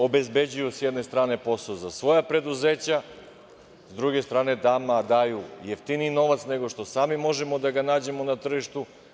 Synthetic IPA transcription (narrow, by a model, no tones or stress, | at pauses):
o̞be̞zbe̞d͡ʑujusjɛd̪ne̞st̪ɾaːne̞po̞sozasʋo̞japɾe̞d̪uzeːt͡ɕa | zd̪ɾuɡe̞st̪ɾaːne̞d̪aːmad̪aːjujeft̪iniːno̞ʋat̪sne̞ɡo̞ʃt̪o̞saːmimo̞ʒe̞mo̞d̪aɡanaːd͡ʑe̞monat̪r̩ʒiʃt̪u